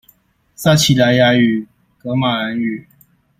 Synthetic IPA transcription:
sa˥˧t͡ɕʰi˨la˧ja˧˦y˨˩ | kɤ˧˥ma˨˩la˧˦ny˨˩

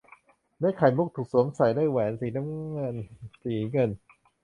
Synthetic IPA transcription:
daː˥˨jkʰa˨˩jmu˦˥k̚t̪ʰuː˨˩k̚su˨˦əmsa˨˩˦jdaː˥˩jwɛː˨˦nsiː˨˩˦na˦˥mŋɤ˧˩˨nsiː˨˦ŋɤ˧˩˨n

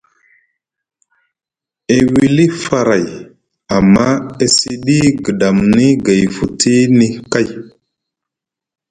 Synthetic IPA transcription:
e˦˨wi˦li˦fa˨ɾa˨j | a˨mːa˦e˦si˦ɗi˦ɡə˨da˨mni˦ɡe˨jfu˨tʰi˦ni˦ka˦˨j

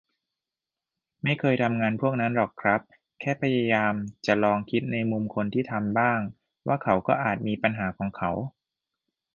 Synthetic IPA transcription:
ma˥˩jkʰɤː˧jt̪ʰa˧mŋaː˧npʰu˥˩ək̚na˦˥nlɔː˨˩kʰɾa˦˥p̚ | kʰɛː˥˩pʰa˧ja˧jaː˧mt͡ɕa˨˩lɔː˧ŋkʰi˦˥t̪̚na˧jmu˧mkʰo˧nt̪ʰiː˥˩t̪ʰa˧mbaː˥˩ŋ | waː˥˩kʰa˩˦wkɔː˥˩ʔaː˨˩t̪̚miː˧pa˧nɦaː˩˦kʰɔː˩˦ŋkʰa˩˦w

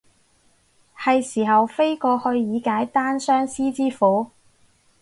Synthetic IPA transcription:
hɐ˨jsiː˨˩ɦɐ˨wfe˥jkɔː˧hɵ˧ɥjiː˨˧kaː˨˥jt̪aː˥nsœː˥ŋsiː˥t͡siː˥fuː˨˥

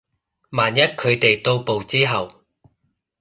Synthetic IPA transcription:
maː˨˩njɐ˥t̚kʰɵ˨˧ɥt̪e˨jt̪o˧wpo˨wt͡siː˥ɦɐ˨w

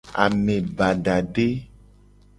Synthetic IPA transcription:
a̰˨mẽ˨ba˨ɖa˨ɖe˦

